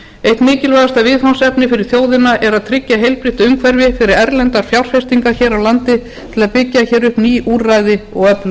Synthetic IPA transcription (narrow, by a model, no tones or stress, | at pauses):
ejht̪mɪːcɪlvajðast̪avɪðfansɛpnɪfɪɾɪɾ̥θjoːwðɪnaʔɛɾaðt̪ʰɾɪcːaɦejlpɾiht̪ʏʏmkʰvɛɾvɪfɪɾɪɾɛɾlɛnt̪aɾ̥fjawr̥fɛst̪iŋkaçɛːɾawlant̪ɪ | t̪ʰɪlaðpɪcːaçɛːɾʏhpniːʔuːɾrajðɪɔɣœplʏ